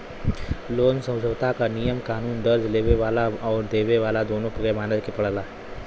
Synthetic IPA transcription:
loːnsə̃w̃d͡ʒʱəʋt̪akanijəmkaːnuːnd̪əɾd͡ʒleːʋeʋaːlaɔːɾd̪eːʋeʋaːlad̪oːnõpɐɡɛmaːnəd̪kepɐɽ̤laː

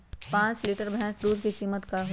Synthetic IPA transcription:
pãːt͡ʃliːʈəɾbʱɛ̃sd̪uːd̪kikiːmət̪kaɦo

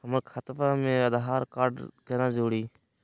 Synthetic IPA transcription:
ɦəməɾkʰət̪faːmẽːəd̪ɦaːɾkaːɾɖkeːnãːd͡ʒoːɽiː

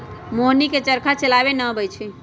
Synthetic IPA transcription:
moniket͡ʃəɾkʰat͡ʃəlabenəbəjt͡ʃʰi

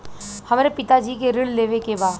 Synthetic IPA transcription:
hɐmːɾepɪt̪ad͡ʒiːkeɾɪlleːʋekebaːd̪

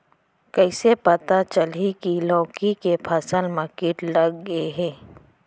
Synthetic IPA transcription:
kəɪsepɐt̪at͡ʃəlikilɔ̃ːkikepʰɐsəlməkiʈlɐɡːəeɦɛ̃ː

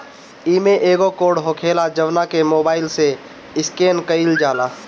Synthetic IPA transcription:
iːmeʔeːɡokoːɽɦokʰeːlad͡ʒəʋnakemoːbaːɪlse | ɪskeːnkəild͡ʒaːlaː

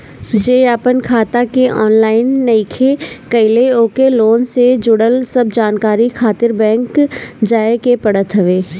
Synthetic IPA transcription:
d͡ʒeːaːpənkʰaːt̪akeʔɔ̰ːnlaːɪnːɐɪkʰekɐɪleoːkeloːnsed͡ʒʊɽəlsəb̚d͡ʒaːnkaːɾikʰaːt̪ɪɾbɛ̃ːŋkd͡ʒaːekepɐɽət̪ɦəʋeː

